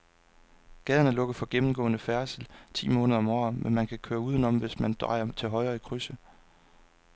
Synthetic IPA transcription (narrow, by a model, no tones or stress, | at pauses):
ɡ̥ɛð̞ˠɐnəlɔ̽ɡ̥ð̩ˠfɒ̽ɡ̥emm̩ɡ̥ɔ̰̽ːnəfæɐslt͡sʰḭːmɔ̽ːnəð̞ˠɒ̽mɒ̰ːmʔenmænkʰækʰøːɐuð̞ˠnɒ̽m̰ʋe̝smænd̥ʁɑ̈ɪ̰ɐt͡sʰe̝lɦɒ̽ɪʁɐːikʰʁysə